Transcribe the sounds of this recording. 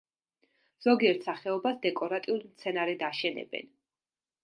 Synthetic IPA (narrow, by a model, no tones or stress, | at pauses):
z̥ɔɡiɛɾt̪ʰsaχɛɔbasd̪ɛkʼɔɾat̪ʼiulˠimt̪sʰɛnaɾɛd̪aʃɛnɛ̰bɛ̰n